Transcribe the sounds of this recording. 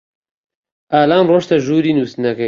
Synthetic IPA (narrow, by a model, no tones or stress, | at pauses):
ʔaːlaːmroːʃt̪ɐʒuːɾiːnuːsɨnɐkɐ